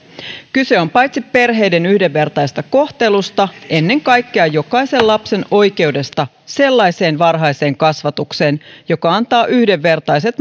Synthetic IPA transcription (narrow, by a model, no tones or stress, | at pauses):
kyse̞o̞mpɑjt̪sipe̞rɦe̞jde̞nyhde̞ʋːe̞rt̪ɑjst̪ɑko̞ht̪elust̪ɑʔe̞nːe̞ŋkɑjkːeɑjo̞kɑjse̞llɑpse̞no̞jke̞wde̞st̪ɑ | se̞lːɑjse̞ːnʋɑrɦɑjse̞ːŋkɑsʋɑt̪ukse̞ːnjo̞kɑɑnt̪ɑːʔyhde̞ʋːe̞rt̪ɑjse̞t̪